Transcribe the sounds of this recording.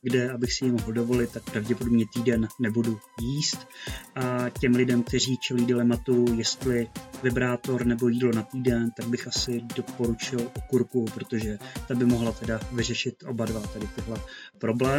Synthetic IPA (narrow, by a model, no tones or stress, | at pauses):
ɡdɛabɪxsɪjɪmoɦldo̞vo̞lɪt̪̚ːak̚pɾavɟɛpodobɲɛt̪iːdɛnːɛbudu | jiːst̪ʔacɛmlɪdɛmk̚t̪ɛr̝iːt͡ʃɛliːdɪlɛmat̪ujɛst̪lɪvɪbɾaːt̪o̞ɾnɛbo̞jiːdlo̞nat̪iːdɛnt̪aɡ̚bɪxʔasɪdo̞po̞ɾut͡ʃɪlʔokuɾkupɾot̪o̞ʒɛt̪abɪmoɦlat̪ɛdavɪr̝ɛʃɪt̪ʔo̞̰badvat̪adɪt̪ɪɦlɛpɾo̞blɛː